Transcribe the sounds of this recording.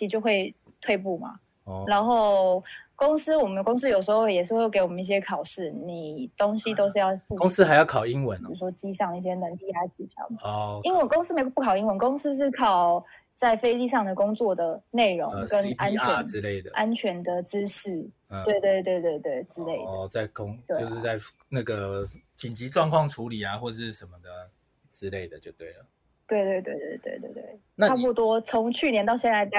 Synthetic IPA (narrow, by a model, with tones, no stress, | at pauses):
t͡ɕi˨˩t͡ɕjo˥˧ʊxwe˥˧ɪ | t̪ʰwe˥˧ɪp̬u˥˩ma̰˩ | na˧˥nxo˥˩ʊko˥ŋs̩˥wɔ˨˩mə˨nkʊ˥ŋs̬̩˥jo˨˩ʊʂ̬̩˧˥o˧wjɛ˨˩ʂ̬ɻ̩˥˧wke˧˥ɪwɔ˨˩mə˦ni˥˩ɕjɛ˥kʰɑ˨˩ʊʂɻ̩˥˩ni˨˩t̪o˥ŋɕi˥t̪o˥ʊʂ̬ɻ̩˥˧jɑ˥˧ʊfu˥˧kŋs̩˥ha˧ɪjɑ˥˩ʊkʰɑ˨˩ʊi˦ŋwə˦n˨˩u˥˩ʂwɔ˥t͡ɕi˥ʂɑ˥˩ŋi˥˩ɕ̬jɛ˥nə˧˦ŋli˥˧ja˧˥t͡ɕi˧˥jɑ̰˨˩˦i˥nwə˧˥nko˥ŋs̩˥me˧˥ɪ˥pu˥kʰɑ˨˩ʊi˥ŋwə˧˦nkʊ˥ŋs̩˥ʂ̬ɻ̩˥˩kʰɑ˨˩ʊ | t͡sa˥˩ɪfe˥ɪli˥˧ʂɑ˥˩ŋd̪ə˩kʊ˥ŋt͡swɔ˥˨˩d̪ə˩ne˥˨˩ɪɻo̰˧˦ŋ˧kə˦˥na˥nʰɛ˧ɻ̩˦le˥˩ɪd̪ə˩ʔa˦˥nt͡ɕʰɥɛ˧˥nd̪ə˨ʈ͡ʂɻ̩˦ʂɻ̩˥˩˨ | we˥˧ɪt̪we˥˧ɪt̪we˥˧ɪt̪we˥˧ɪt̪we˥˩ɪʈ͡ʂɻ̩˥le˥˩ɪdə˧t͡sa˥˩ɪkʊ˥˦ŋt͡ɕ̪we˥jo˥˧ʊʂɻ̩˥˧t͡sa˥˩ɪ | na˥˩ɡə˩t͡ɕi˨˩nt͡ɕi˨˥ʈ͡ʂwɑ˥˧ŋkʰwɑ˥˨˩ŋʈ͡ʂʰu˧˥li˨˩a˨xwɔ˥˧ə˩ʂɻ̩˥˩ʂə˧˦nmə˨d̪ə˩ | ʈ͡ʂɻ̩˦le˥˩ɪd̪ə˨˩t͡ɕjo˥˧ʊt̪we˥˩ɪlə˩ | t̪we˥˧ɪt̪we˥˧ɪt̪we˥˧ɪt̪we˥˩ɪt̪we˥˧ɪt̪wḛ˥˩t̪wḛ˥˩ɪ | na˥˨a˥pu˥˧t̪wɔ˥t͡sʰo˧˥ŋt͡ɕʰy˥˩njɛ˧nt̪ɑ˥˧ʊɕjɛ˥˧nt͡sa˧ɪ˥